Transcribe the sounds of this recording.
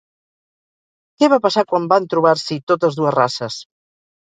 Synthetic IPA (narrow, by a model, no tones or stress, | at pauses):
kɛβapasakwambant̪ɾuβ̞aɾsit̪ot̪əzðuəzrasəs